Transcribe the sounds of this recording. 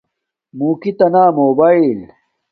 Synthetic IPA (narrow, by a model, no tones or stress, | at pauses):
muːkit̪ɐnaːmoːbaːil